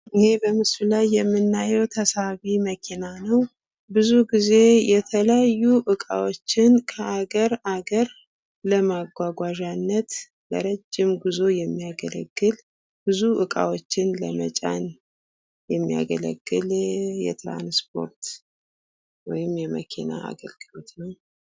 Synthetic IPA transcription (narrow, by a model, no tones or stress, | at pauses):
ʔɨhe̞bəmɨslulajːɛmːɨnːajɛwt̪ʰəsaβiməkʰinanəw | bɨzuɡize̞jɛt̪ʰələjajːuʔɨkʼa̰wot͡ʃːɪnkʰəʔaɡəɾaɡəɾ | ləmaɡʷaɡʷaʒanːət̪ | lə̰ɾəd͡ʒːɪmɡuzo̞jɛmːiaɡələ̰ɡːɨl | b̥ɨzuʔɨkʼa̰wo̞t͡ʃːɪnləmət͡ʃʼa̰n | jɛmːija̰ɡələ̰ɡːɨljɛ̰t̪ɾa̰nspʰo̞̰ɾt̪ | wɔjɪmjɛmə̰kʰina̰ʔa̰ɡəlɡ̥ɨlo̞t̪nəw